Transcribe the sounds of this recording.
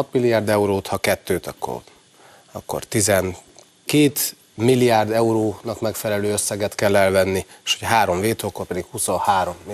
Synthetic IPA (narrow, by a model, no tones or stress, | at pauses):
ɒpmilːijaːrd̪ɛuɾoːt̪hɒkɛt̪ːøːt̪ɒ̰kːo̰r | ɒ̰kːo̞̰rt̪izɛn | keːt̪ | milːijaːrd̪ɛuɾoːnɒkmɛkfɛlɛløːøsːɛɡɛt̪kɛlːɛlvɛnːieʃoɟɛɦaːɾo̞ɱveːt̪okːorpɛd̪ikhusohaːɾo̞m